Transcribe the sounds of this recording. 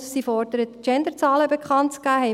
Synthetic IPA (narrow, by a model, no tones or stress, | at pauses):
sifɔrdəɾət̪t͡ʃɛnd̪əɾt͡sɑːləbekχɑntt͡skæːɦɛɪ